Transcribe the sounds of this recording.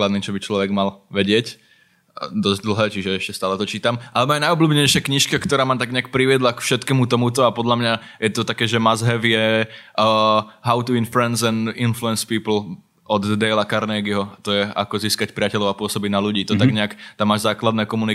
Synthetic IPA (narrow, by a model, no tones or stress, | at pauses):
lad̪niːt͡ʃɔbit͡ʃlɔʋɛɡmalʋɛɟɪɛc | d̪ɔzɟd̪l̩ˠɦɛːt͡ʃiʒɛɛʃcɛst̪aːlɛt̪ɔt͡ʃiːt̪amʔalɛmaːɛnajɔbluːbɲɛjʃɪakɲiʃkakt̪ɔɾaːmaːmt̪aɡɲɛak̚pɾiʋɪɛd̪lakfʃɛt̪kɛːmut̪ɔmut̪ɔapɔd̪ʎamɲa | jɛt̪ɔt̪akɛːʒɛmazɦɛvjɛ | ɦaʊt̪uinfluɛnzɛninfluɛnspiːpl̩ˠ | ɔd̪ːɛjlakaɾnɛːɡiɦɔt̪ɔjɛʔa̰kɔziːskacpɾɪacɛlɔʊapʊɔsɔbiɟnaluɟiːt̪ɔt̪aɡɲɛakt̪amːaːʒzaːklad̪nɛːkɔmuni